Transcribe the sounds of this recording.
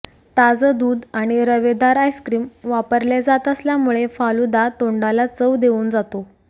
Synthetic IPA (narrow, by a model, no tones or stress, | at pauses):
t̪ad͡zəd̪uːd̪aɽ̃iɾəʋed̪aɾajskɾiːmʋapəɾljed͡zat̪əsljamuɭefalud̪at̪oɳɖalat͡səʋd̪euːnd͡zat̪o